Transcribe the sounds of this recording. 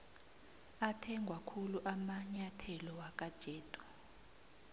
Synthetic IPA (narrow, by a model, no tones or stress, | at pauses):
atʰɛŋɡʱwakʰuluʔamaɲatʰɛlɔwak̬ʼad̥ʒ̥ʱɛːd̥ʼʱu̥